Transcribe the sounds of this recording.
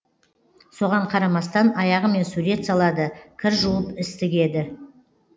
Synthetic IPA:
so̞ʁɑɴqʰɑɾɑmɑst̪ɑnɑjɑʁəme̞nsuɾe̞t̪sɑlˠɑd̪əkʲʰɪɾʒuəpɪst̪ɪɡʲe̞d̪ɪ

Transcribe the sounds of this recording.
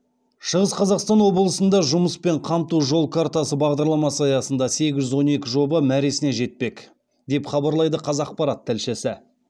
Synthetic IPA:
ʃəʁəsqʰɑzɑqst̪ɑnwo̞blˠəsənd̪ɑʒʊməspe̞ɴqʰɑmt̪uʒolˠkʰaɾt̪asəbɑʁd̪ɑɾlˠɑmɑsəɑjɑsənd̪ɑse̞ɡʲɪʒʏzwo̞ne̞kʲɪʒo̞bəmæɾe̞sɪne̞ʒe̞t̪̚pe̞k | d̪e̞pχɑbɑɾlˠɑjd̪əqʰɑzɑq̚pɑɾɑt̪ʰːælʃesɪ

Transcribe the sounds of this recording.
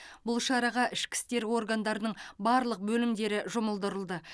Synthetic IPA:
bʊlˠʃɑɾɑʁɑʔɪʃkʲɪ̥st̪e̞ɾo̞ɾɡand̪ɑɾənəɴbɑɾlˠəq̚bɵlɪmd̪e̞ɾɪʒʊməlˠd̪əɾəlˠd̪ə

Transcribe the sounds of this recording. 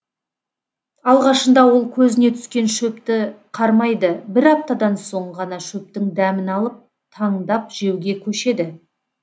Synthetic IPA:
ɑlˠʁɑʃənd̪ɑwo̞lˠkʲʰɵzɪne̞t̪ʰʏ̥skʲe̞nʃɵpt̪ɪqʰɑɾmɑjd̪əbɪɾɑp̚t̪ɑd̪ɑnso̞ɴʁɑnɑʃɵp̚t̪ɪŋd̪æmɪnɑlˠəp̚ | t̪ʰɑɴd̪ɑp̚ʒ̥e̞wɡʲe̞kʲʰɵʃe̞d̪ɪ

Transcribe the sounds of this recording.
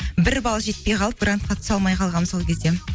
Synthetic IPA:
bɪɾbɑlˠɑʒe̞t̪̚pejqʰɑlˠəp̚ɡrant̪̚qʰɑt̪ə̥sɑlˠmɑjqʰɑlˠʁɑnmzolˠkʲe̞zd̪e

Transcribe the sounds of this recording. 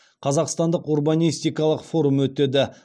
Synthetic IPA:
qʰɑzɑqst̪ɑnd̪əqurbanʲijst̪ijkɑlˠəqfo̞ɾumwɵt̪e̞d̪ɪ

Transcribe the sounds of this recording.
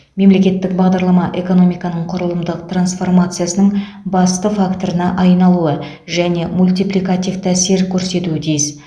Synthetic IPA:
me̞mle̞kʲe̞t̪ːɪkbɑʁd̪ɑɾlˠɑmɑʔe̞ko̞no̞mijkɑnəɴqʰʊɾəlˠəmd̪əq̚t̪ransfo̞rmat̪sɨjasənəɴ | bɑst̪əfakt̪o̞ɾənɑʔɑjnɑlˠuə | ʒæne̞mulʲt̪ijplʲˠijkat̪ift̪æseɾkʲʰɵɾse̞t̪uɪt̪ʰijɪs

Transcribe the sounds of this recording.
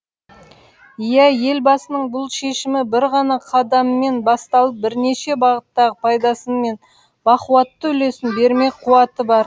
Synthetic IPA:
jæje̞lbɑsənəɴbʊlˠʃe̞ʃɪmɪbɪɾʁɑnɑqʰɑd̪ɑmːe̞nbɑst̪ɑlˠəp̚bɪɾne̞ʃe̞bɑʁət̪ːɑʁəpʰɑjd̪ɑsənme̞n | b̥ɑquɑt̪ːəʏle̞sɪnbe̞ɾme̞qʰuɑt̪əbɑɾ

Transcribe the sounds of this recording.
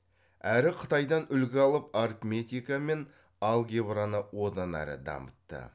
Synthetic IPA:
æɾɪqʰət̪ɑjd̪ɑnʏlɡʲɪɑlˠəparkmʲe̞t̪ʲijkame̞n | ɑlˠɡʲebɾanəwo̞d̪ɑnæ̰ɾɪ̰d̪ɑ̰mət̪ːə̰

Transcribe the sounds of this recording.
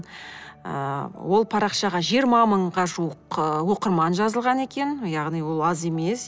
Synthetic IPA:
wo̞lˠpʰɑɾɑqʃɑʁɑʒijəɾmɑməɴʁɑʒuəqwo̞qəɾmɑnʒɑzəlˠʁɑne̞kʲe̞njɑʁnijwo̞lˠɑze̞me̞s

